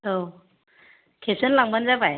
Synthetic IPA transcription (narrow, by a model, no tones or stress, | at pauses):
o | kʰesɯnlaŋbanzabaj